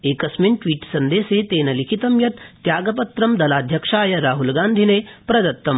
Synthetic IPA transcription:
eːkɐsmeɳʈʋiːʈsɐnd̪eːseːt̪eːnɐlikʰit̪ɐmjɐt̪t̪jaːɡɐpɐt̪ɾɐmd̪ɐlaːd̪ʱjɐkʂaːjɐɾaːɦulɡaːnd̪ʱineːpɾɐd̪ɐt̪ːɐm

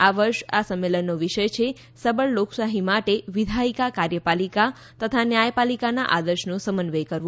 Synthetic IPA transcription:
aʋəɾʃasəmːelənːoʋiʃəjt͡ʃʰe | səbəɭloksaɦimaʈeʋid̪ʱaikakaɾjəpalika | t̪ət̪ʰanjajpalikanaʔad̪əɾʃnosəmənʋejkəɾʋo

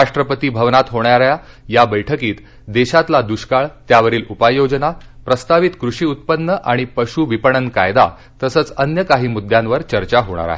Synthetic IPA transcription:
aʂʈɾəpət̪iːbʱəʋnat̪ɦoɳjaɾja | jabəjʈʰəkiːt̪ | d̪eɕat̪lad̪uɕkaɭt̪jaʋəɾiːlupajːod͡ʑnapɾəst̪aʋit̪kɾuɕiːut̪̚pənːəʔaɽ̃ipəɕuːʋipəɳ̃ənka̰jd̪a̰ | t̪əsəːt͡sənjəkaɦiːmud̪ʱjãnʋəɾt͡ɕəɾt͡ɕaɦoɽ̃a̰ɾa̰ɦe

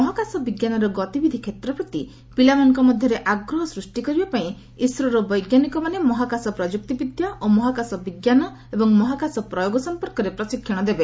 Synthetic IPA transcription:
mɔɦɔkasɔbiɡjanɔɾɔɡɔt̪ibid̪ʱikʰet̪ɾɔpɾɔt̪i | pilamɔŋkɔmɔd̪ʱjɔɾeʔaɡɾɔɦɔsɾusʈikɔɾibapaĩ | isɾɔɾɔbɔjɡjanikɔmanemɔɦakasɔpɾɔd͡ʒuk̚t̪ibid̪ʱjaʔomɔɦakasɔbiɡjanɔ | ebɔŋmɔɦakasɔpɾɔjoɡɔsɔmpɔɾkɔɾepɾɔsikʰjɔɽ̃ɔd̪ebe

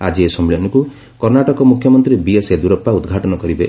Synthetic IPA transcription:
ad͡ʒiesɔmiɭɔnɔku | kɔɾnaʈɔkɔmukʰjɔmɔnt̪ɾibiesed̪uɾɔpːaud̪ɡʱaʈɔnɔkɔɾibe

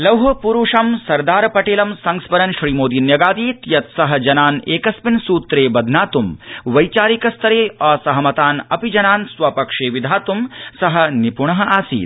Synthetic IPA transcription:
lɐwɦɐpuɾuːʂɐmsɐɾd̪aːɾɐpɐʈeːlɐmsɐŋspɐɾɐnʃɾiːmoːd̪iːnjɐɡaːd̪iːt̪jɐt̪sɐɦɐ̆d͡ʒɐnaːneːkɐspinsuːt̪ɾeːbɐd̪ʱnaːt̪umʋɐjt͡ʃaːɾikɐst̪ɐɾeːɐːsɐɦɐmɐt̪aːnɐpid͡ʒɐnaːnsʋɐpɐkʂeːʋid̪ʱaːt̪umsɐɦɐ̆nipuɳɐɦɐʔaːsḭːt̪

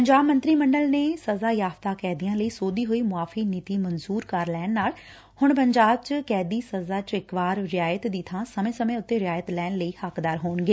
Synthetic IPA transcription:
pəɲd͡ʒaːbmə̃nt̪ɾiːməɳɖəlneːsəzaːjaːft̪aːkɛːd̪ijãːləiːsoːd̪iːɦoːiːmʊaːfʰiːnit̪iːmənzuːɾkəɾlɛːnnaːl | hʊɳpəɲd͡ʒaːb̚t͡ʃkɛːd̪iːsəzaːt͡ʃɪkbaːɾɾɪjaːjət̪d̪iːt̪ʰãːsəmẽːsəmẽːʊt̪ːeːɾɪjaːjət̪lɛːnləiːhəkd̪aːɾɦoːnɡeː

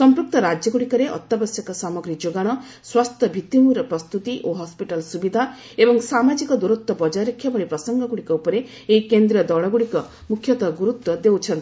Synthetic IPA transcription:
sɔmpɾuk̚t̪ɔɾad͡ʒjɔɡuɽikɔɾeʔɔ̰t̪ːabɔsjɔkɔsamɔɡɾid͡ʒoɡaɽ̃ɔ | swast̪ʰɔbʱit̪imuɾɔpɾɔst̪ut̪iʔoɦɔspiʈalsubid̪ʱa | ebɔŋsamad͡ʒikɔd̪uɾut̪ːɔbɔd͡ʒaɾɔkʰːjabɔɭipɾɔsɔŋɡɔɡuɽikɔupɔɾe | eikend̪ɾiɔd̪ɔɭɔɡuɽikɔ | mukʰːjɔt̪aɡuɾut̪ːwɔd̪ewt͡ʃʰɔnt̪ii

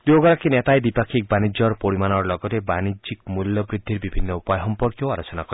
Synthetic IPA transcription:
d̪oɡɔɾakinet̪aed̪ipakʰik̚banid͡ʒɔɾɔpoɽimanɔɾɔlɔɡɔt̪ebanid͡ʒikmuljɔbɾid̪ʱːiɾbibʱinːɔupɔjɦɔmpɔɾkjɔaɾot͡ʃɔnakɔɾ

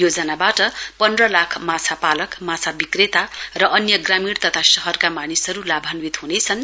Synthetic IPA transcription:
jod͡zʌnabaʈʌpʌnd̪rʌlakʰmat͡sʰapalʌkmat͡sʰabikret̪arʌʔʌnjʌɡramiɽt̪ʌt̪ʰasʌɦʌrkamanisʌɾulabʱanwit̪ɦunet͡sʰʌn

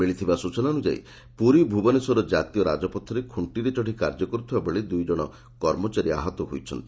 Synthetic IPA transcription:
meɭit̪ʰibasut͡ʃɔnanud͡ʒa̰ḭ | puɾibʱubɔnesɔɾɔd͡ʒat̪ijɔɾa̰d͡ʒɔpɔt̪ʰːɔɾekʰuɳʈiɾet͡ʃɔʈikaɾd͡ʒɔkɔɾut̪ʰibabɔɭed̪ujd͡ʒɔɽ̃ɔ | kɔɾmɔt͡ʃaɾia̰ɦɔt̪ɔɦojt͡ʃʰɔnt̪i

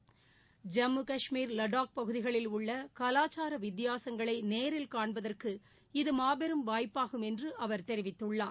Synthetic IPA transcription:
d͡ʒɐmːɯkɐʂmiːɾlɐɽaːk̚pɐɣɯðɪɣɐɭɪlʊɭːɐkɐlaːt͡ʃaːɾɐʋɪd̪ɪjaːsɐŋɡɐɭɐɪneːɾɪlkaːɳbɐðɐrkɯ | ɪðɯmaːbɛɾɯmʋaːjpːaːɣɯmɛndrɯʔɐʋɐɾt̪ɛɾɪʋɪt̪ːɯɭːaː

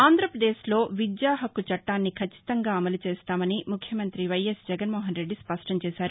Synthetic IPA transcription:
aːnd̪ɾɐpɾɐd̪eːslo̞ːʋid̪jaːɦɐkut͡ʃɐʈːaːnːikʰɐt͡ʃːi̥t̪ɐŋɡaːɐmɐlut͡ʃeːst̪aːmɐnimukʰjɐmɐnt̪ɾiʋɐjesd͡ʒɛɡɐnmɔːɦɐnɾe̞ɖːispɐʂʈɐmt͡ʃɛːsaːɾu

